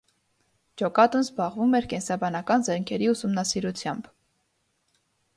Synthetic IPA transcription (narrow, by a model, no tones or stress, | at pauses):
d͡ʒɔkɑt̪unzbɑʁvumɛɾkɛnsɑbɑnɑkɑnzɛɾŋkʰɛɾiusumnɑsiɾut͡sʰjɑmb